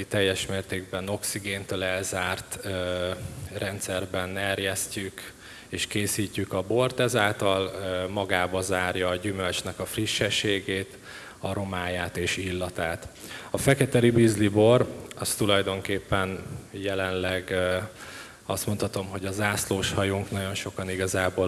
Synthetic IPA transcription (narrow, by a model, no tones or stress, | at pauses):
it̪ɛjːɛʃmeːrt̪eːɡ̚bɛno̞ksiɡeːnt̪øːlɛlzaːrt̪ø | rɛnt̪sɛrbɛnɛrjɛscyk | eːʃkeːsiːcːykɒbo̞rt̪ɛzaːlt̪ɒlmɒɡaːbɒzaːrjɒːɟymølt͡ʃnɛkɒfriʃːɛʃːeːɡeːt̪ | ɒɾo̞maːjaːt̪eːʃilːɒt̪aːt̪ | ɒfɛkɛt̪ɛlibizlibo̞rɒst̪ulɒjd̪o̞ŋkeːpːɛnjɛlɛnlɛɡ | ɒst̪mo̞nt̪hɒt̪o̞mɦo̞ɟɒzaːsloːʃhɒjuŋknɒɟo̞nʃo̞kɒniɡɒzaːboːl